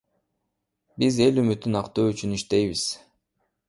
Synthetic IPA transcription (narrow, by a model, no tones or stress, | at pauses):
bize̞lymyt̪ːynɑqt̪oːyt͡ʃyniʃt̪e̞jβiz̥